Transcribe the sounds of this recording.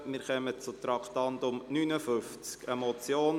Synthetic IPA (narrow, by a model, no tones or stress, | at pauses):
mɪɾχœmət͡sʊt̪ɾɑkt̪ɑnd̪ʊmnynəfʏft͡skəmɔt͡sjoːn